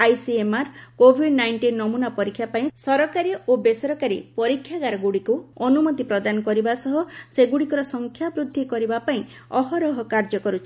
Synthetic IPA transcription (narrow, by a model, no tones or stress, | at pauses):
ajsiemaɾkobʱiɖnajɳʈinːɔmunapɔɾikʰjapaĩsɔɾɔkaɾiobesɔɾɔkaɾḭpɔɾikʰːjaɡaɾɔɡuɽikuɔnumɔt̪ipɾɔd̪anɔkɔɾibasɔɦɔseɡuɽikɔɾɔsɔŋkʰjabɾud̪ʱːikɔɾibapaĩɔɦɔɾɔɦɔkaɾd͡ʒɔkɔɾut͡ʃʰi̥